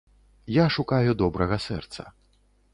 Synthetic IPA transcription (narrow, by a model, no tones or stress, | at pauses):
jaʂukajud̪ɔbɾɐɣɐsɛrt̪sɐ̰